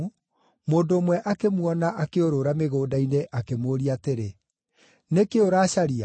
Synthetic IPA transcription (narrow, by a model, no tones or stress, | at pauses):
u | moːndoːmwɛʔakemwɔnaʔakeoɾoɾameɣoːdaineʔakemoːɾiateɾe | nekeoɾaːɕaɾia